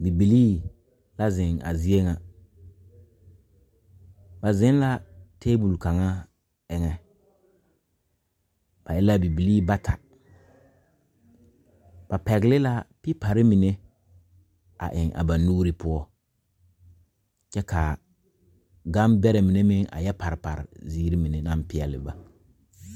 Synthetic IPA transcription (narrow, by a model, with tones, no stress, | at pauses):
bi˨bi˨liː˦ | la˦zɪ˨ŋa̰˨zi˦e˦ŋa˨ | ba˨zɪ˦n˦la˦tʰeː˦bu˨lka˨ŋa˦ | ɛ˨ŋɛ˦ | b̥a˨ɪ˦la˦bi˨bi˨liː˦ba˦tʰa˨ | b̥a˨pɛ˨ɡlɪ˦la˦pɪ˦pa˨ɾɪ˦mi˨ne˦ | a̰˨ʔɪ˨ŋʔa̰˨ba˨nuː˦ɾi˦pʊ˦ɔ˦ | t͡ʃɛ˦ka˨ | ɡa˦mbɛ˦ɾɛ˨mi˨ne˦mɪ˦ŋʔa̰˨jɛ˦pa˨ɾɪ˨pa̰˨ɾɪ̰˨ziː˦ɾi˦mi˨ne˨na˦pɪ˦ɛ˨lɪ̰˨ba˨